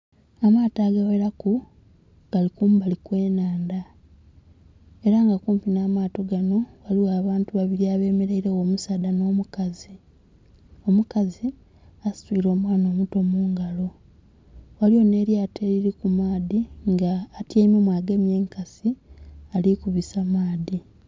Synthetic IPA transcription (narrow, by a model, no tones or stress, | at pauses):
amaːtaɡaweɾaku | ɡ̥alikuːmbalikwe̞ːnaːnda | e̞ɾaŋɡakuːmpinaːmaːto̞ɡano̞waliwaːβaːntuβaβiɾiaːβe̞ːmeɾaiɾewoːmusaːdano̞ːmukazi | o̞mukazi | astuiɾo̞ːmwaːnoːmuto̞muːŋɡalo̞ | waliwo̞ne̞ːɾjatʰeɾiɾikumaːðiŋɡaːtjeːmemwaːɡemjeːŋkasialikuβisamaːði